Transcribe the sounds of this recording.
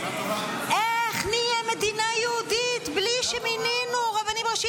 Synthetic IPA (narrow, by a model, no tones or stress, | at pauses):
ʔeχnijemed̪inajeud̪it̪bliʃemininuʁavanimʁaʃi